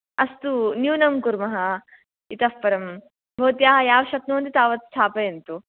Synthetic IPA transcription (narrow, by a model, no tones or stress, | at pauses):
ɐst̪unjuːnɐmkuɾmɐɦɐ | it̪ɐfpɐɾɐm | bʱoːt̪jaːɦɐjaːʋɐʃɐt̪nuːnd̪it̪aːʋɐt̪st̪ʰaːpɐjent̪u